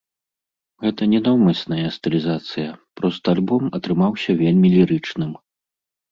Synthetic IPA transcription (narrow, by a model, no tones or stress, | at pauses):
ɣɛt̪ɐnʲɛnɔwmɐsʲnɐjɐst̪ɨlʲizat̪sɨjɐpɾɔst̪ɐalʲbɔmɐt̪ɾɨmawsʲɐvʲelʲmʲilʲiɾɨt͡ʂnɨm